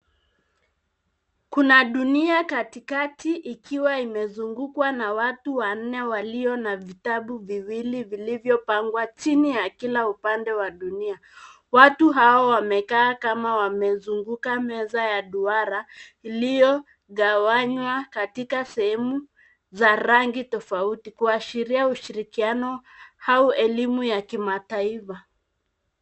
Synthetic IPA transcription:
kunaɗuniakatikatiʔikʰiwaimɛzuŋɡukwanawatuwan̩nɛwaliɔnavitaɓuviwilivilivjɔpaŋɡwat͡ʃinijakilaupandɛwaɗunia | watuɦaɔwamɛkaːkamawamɛzuŋɡukamɛzajaɗuaɾailijɔ | ɣawaɲwakatikasɛhɛmu | zaɾaŋɡitɔfautikuaʃiɾiauʃiɾikianɔhauɛlimujakimataifa

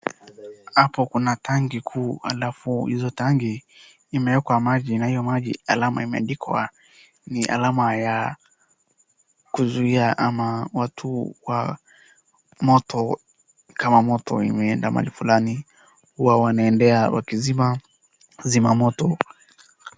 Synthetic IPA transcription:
hapɔkunatʰaŋɡikʰuːha̰lafuhizɔtaŋɡiː | mɛjɛkwamaʄinahijɔmaʄialamaimɛa̰ɗikʰwa̰ | niʔa̰lamaja | kuzuiaʔamawatʰuwa | mɔtʰɔ | kamamɔtɔ̰ḭmɛɛndama̰ʄifulani | huwawanaɛndɛawa̰kizima | zimamɔtɔ

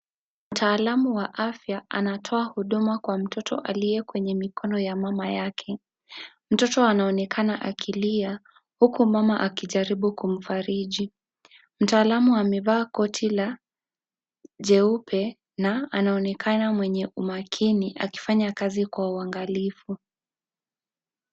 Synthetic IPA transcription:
m̩tʰaːlamuwaʔafjaanatʰɔahuɗumakwam̩tɔtʰɔ̰ʔalijɛkwɛɲɛmikʰɔnɔjamamajakʰɛ | m̩tɔtɔanaɔnɛkʰanaʔakʰilia | hukumamaʔakiʄaɾiɓukum̩faɾiʄi | m̩taːlamuamɛvaːkɔtʰila | ʄɛupʰɛ | naanaɔnɛkʰanamwɛɲɛʔumakʰiniʔa̰ki̥faɲakazikwauaŋɡalifu

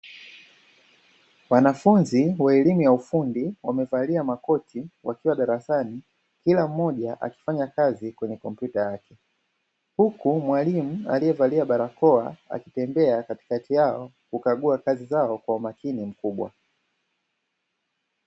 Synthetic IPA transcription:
wanafunziwaɛlimujaufundiwamɛvaliamakɔtiwakiwaɗaɾasani | kilam̩ːɔʄaʔa̰ki̥faɲakazikwɛɲɛkɔmpjutajakɛ | hukumwalimua̰lijɛvaliaɓaɾakɔaa̰kitɛmbɛakati̥katijaɔ | kukaɠuakazizaɔkwaumakinim̩kuɓwa̰

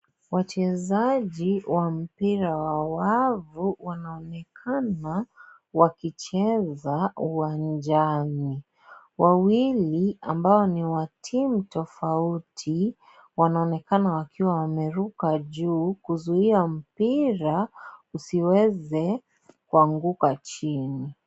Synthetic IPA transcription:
wat͡ʃɛzaʄiwʔam̩piɾawawavuwanaɔnɛkʰana | wakit͡ʃɛzauwand͡ʒani | wawiliambaɔniwatʰim̩tɔfautʰi | wanaɔnɛkanawakiwawamɛɾukaʄuːkuzuiam̩piɾausiwɛzɛ | kuaŋɡukat͡ʃini

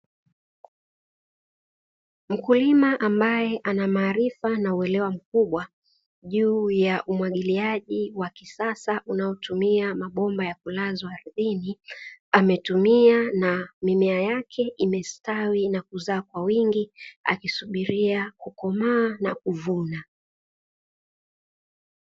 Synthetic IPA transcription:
m̩kulimaʔambajɛʔanamaːɾifanauɛlɛwam̩kuɓwa | ʄuːjaʔumwaɠiliaʄiwakisasaʔunaɔtumiamaɓɔmbajakulazwaːɾiðiniamɛtumianamimɛajakʰɛʔimɛstawinakuzaːkwawiŋɡia̰kisuɓiɾiakukɔmaːnakuvuna

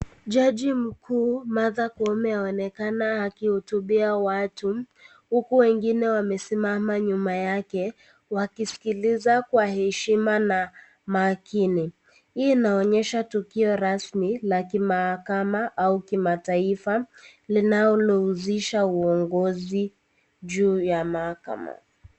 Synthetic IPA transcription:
ʄaʄim̩kʰuːmaðakɔmɛhaɔnɛkanahakihutuɓiawatu | hukuwɛŋɡinɛwamɛsimamaɲumajakɛ | wakisi̥kilizakwahɛʃimana | maːkʰini | inaɔɲɛʃatukiɔɾasmilakimahakamaʔaukimataifalinaɔlɔuziʃauɔŋɡɔzi | ʄuːjamahaka̰ma̰

